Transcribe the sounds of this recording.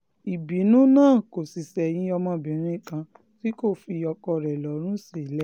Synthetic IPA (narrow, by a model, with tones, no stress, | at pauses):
i˨bi˨˦nũ˦nãː˦˨ko˨si˨sɛ˨j̃ĩ˧˦ɔ˧mɔ̃˧bĩ˨˦ɾ̃ĩ˦kã˧ | ti˦ko˦˨fi˧ɔ˧kɔ˧ɾɛ˨lɔ˨˦ɾ̃ũ˦si˦˨˦lɛ˦